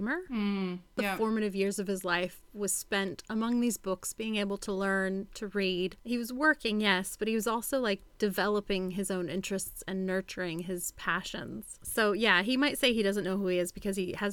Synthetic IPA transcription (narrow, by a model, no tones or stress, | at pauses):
mə˞ | ðəfɔɹmɨɾɨvjɪɹzʌv̥ɨzlaɪfwʌz̥spɛ̃ntəmʌ̃ŋðizbʊksb̥iɪ̃ŋeɪbl̩ˠtʰəlɜ̃˞ntʰɨɹid̥hiwʌzwɜ˞kɪ̃ŋjɛsb̥ʌt̚hiwʌzɔlˠsoʊlaɪk̚d̥ɨvɛlˠəpɪ̃ŋɨzõʊ̃nɪ̃nt͡ʃɹ̥ɨstsɨ̃nːɜ˞t͡ʃə˞ɪ̃ŋɪz̥pʰæʃɨ̰̃nz̥soʊjæimaɪtseɪidʌzɨ̃nːoʊhuiɨzbɨkʰʌz̥iɨz